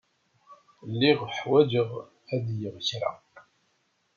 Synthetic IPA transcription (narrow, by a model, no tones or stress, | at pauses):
lːiʁħwæd͡ʒəʁ | æðjəʁçɾa̰